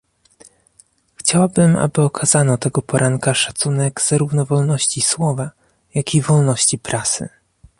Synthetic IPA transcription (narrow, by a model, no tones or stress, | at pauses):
xt͡ɕawabɘma̰bɘɔkʰazanɔt̪ɛɡɔpɔɾʔaŋkaʂat̪sunɛɡz̥aɾuvnɔvɔlnɔɕt͡ɕiswɔva | jakʲivɔlnɔɕt͡ɕipɾasɘ̰